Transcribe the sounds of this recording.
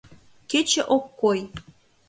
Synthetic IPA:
ket͡ɕĕʔokːoj

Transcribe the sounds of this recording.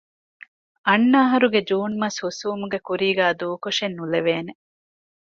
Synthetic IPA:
ɐnːaːɦɐɾuɡed͡ʒuːnmɐshusuːmuɡekuɾiːɡæːd̪uːkoʃenːuleʋeːne

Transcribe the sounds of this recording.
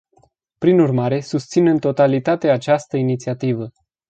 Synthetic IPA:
pɾinurmaɾe̞sust̪sinɨnt̪o̞t̪alit̪at̪eat͡ʃast̪əinit̪siat̪ivə

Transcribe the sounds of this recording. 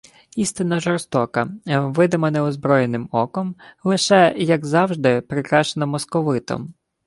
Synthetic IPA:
ist̪ɪnːɐʒɔrst̪ɔkɐʋɪd̪ɪmɐnɛɔzbɾɔjenɪmɔkɔmlˠɪʃɛjɐɡzɑwʒd̪ɪpɾɪkɾɑʃt͡ʃenɐmɔskɔʋɪt̪ɔ̰m

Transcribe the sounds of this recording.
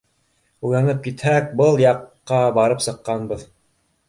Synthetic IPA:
uj̪ɑnɤp̚kit̪hæk̚bɤlˠjɑqːɑbɑɾɤpsɤ̆qːɑnbɤð

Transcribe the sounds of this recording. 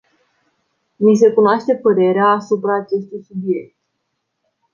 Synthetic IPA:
mis̬e̞kunoaʃt̪e̞pəɾe̞ɾeaːsupɾaːt͡ʃe̞st̪ujsubie̞k̪̚t̪

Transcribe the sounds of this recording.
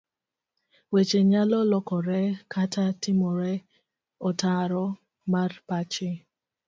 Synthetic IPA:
wet͡ʃeɲalɔlɔkɔɾɛkʰatʰatimɔɾɛ | ɔtaɾɔ | marpat͡ʃɪ

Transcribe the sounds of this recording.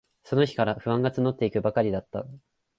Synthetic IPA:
so̞no̞çi̥kaɾaɸɯ̟βãŋɡat͡sɨno̞t̪ːe̞ikɯ̟bakaɾʲid̪at̪ːa̰

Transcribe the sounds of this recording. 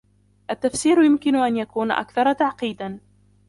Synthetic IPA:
ʔat̪ːafsiːɾjʊmkɪnʊʔanjakuːna̰ʔa̰kθɑɾˤt̪aʕqiːd̪an

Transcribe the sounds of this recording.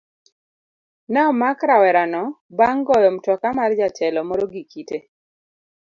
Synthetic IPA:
nɛɔmakɾawɛɾanɔbaŋɡɔjɔmtɔkamard͡ʒat͡ʃɛlɔmɔɾoɡikite

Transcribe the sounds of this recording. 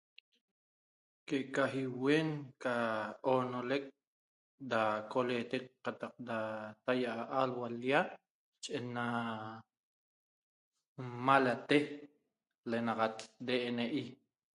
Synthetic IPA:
kekaɦiweːnkaʔonolek̚ | d̪akolet̪ek̚qat̪aq̚d̪at̪ajaʔaʔalwaljaʔ | t͡ʃʼenːa | malat̪eh | lenaqat̪d̪eʔeneʔi

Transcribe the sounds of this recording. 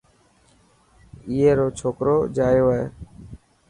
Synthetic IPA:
iːeːɾoːt͡ʃʰoːkɾoːd͡ʒaːjoːḛː

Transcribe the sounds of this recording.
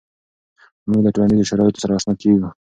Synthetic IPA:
muɡlaʈolanɖizoʃaɾɑjɪt̪o̥saɾaːsnɑkeɡu

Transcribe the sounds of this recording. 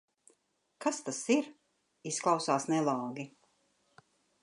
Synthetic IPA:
kast̪asiɾ | isklˠawsaːsnɛlˠɑːɡi

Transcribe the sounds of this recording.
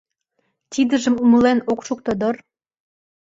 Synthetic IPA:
t̪ʲid̪ə̆ʒə̆mumə̆lenokʃuk̚t̪od̪ɤ̆r

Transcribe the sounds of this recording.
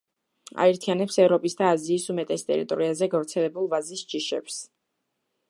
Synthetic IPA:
a̰ɛɾt̪ʰianɛpsɛvɾɔpʼisd̪aːziːsumɛt̪ʼɛst̪ʼɛ̰ɾḭt̪ʼɔɾiazɛɡavɾt̪sʰɛlɛbulˠvazisd͡ʒiʃɛ̰ps

